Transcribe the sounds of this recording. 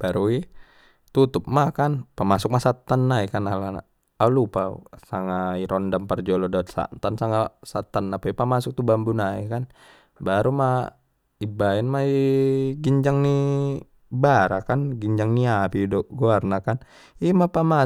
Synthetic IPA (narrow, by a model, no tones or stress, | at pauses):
b̥aɾui | t̪ut̪ʊp̚makanpamasʊk̚masat̪ːənːaikanalana̰ | aulupaṵsaŋaiɾɔndampərd͡ʒɔlɔdat̪̚sa̰nt̪ansaŋasat̪ːənːapaɛpamasʊk̚t̪ubambunaḭkan | baɾuma | ibaɛnmaiɡiɲd͡ʒaŋni | baɾakanɡiɲd͡ʒaŋniapidɔɡoarnakan | imapama